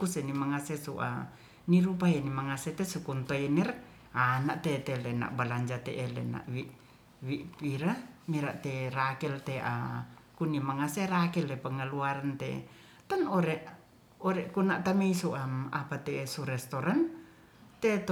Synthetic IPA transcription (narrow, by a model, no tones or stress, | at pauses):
kusenimaŋasesṵʔa̰ | niɾupaɛnimaŋasɛt̪esukunt̪oɛnɛr | anaʔt̪et̪elena̰ʔbalaɲd͡ʒat̪eʔelḛna̰ʔwiʔ | wiʔpiɾamiɾaʔt̪erakɛlt̪eʔa̰kunimaŋaserakɛlepəŋəluaɾant̪ḛ | t̪ɔnoɾɛʔ | ɔɾɛʔkunaʔt̪ameisuʔamapat̪eːsuɾɛst̪oɾan | t̪et̪